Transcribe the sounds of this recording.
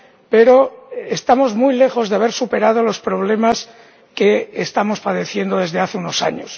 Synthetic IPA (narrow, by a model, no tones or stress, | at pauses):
pe̞ɾo̞est̪amo̞zmujle̞xo̞zðeaβe̞ɾsupe̞ɾað̞o̞lo̞spɾo̞βle̞mas | keːst̪amo̞spaðe̞θje̞nd̪o̞ðe̞zðe̞aθeuno̞sa̰ɲo̰s